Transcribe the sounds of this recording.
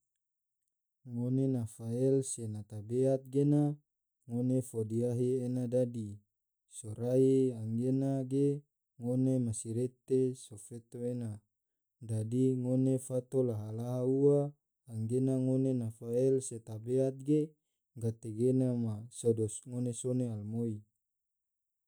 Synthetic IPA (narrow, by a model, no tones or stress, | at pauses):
ŋonenafaɛlsenat̪abeat̪̚ɡena | ŋonefodiaɦeenadadi | soɾaiaŋɡenaɡe | ŋonemasiɾet̪esofet̪oena | dadiŋonefat̪olaɦalaɦauaː | ŋɡenaŋonenafaelset̪abeat̪̚ɡe | ɡat̪eɡenamasodosŋonesonealmoi